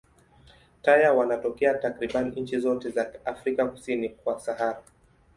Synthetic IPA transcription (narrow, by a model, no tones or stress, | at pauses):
tajawanatɔkɛatakɾiɓaniɲ̩t͡ʃizɔtɛzaafɾikaku̥sinikwasahaɾa